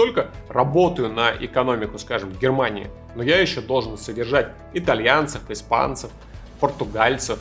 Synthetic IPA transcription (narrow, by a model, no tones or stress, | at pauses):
t̪o̞lʲkərɐbo̞t̪əjʊnəʔɪkɐno̞mʲɪkʊskaʐɨmvɡʲɪrmanʲɪ̰ɪ̰ | nojajɪɕːo̞d̪o̞lˠʐɨnsədʲɪrʐatʲ | ɪt̪ɐlʲjant̪səfɪspa̰nt̪səf | pərt̪ʊɡalʲt̪səf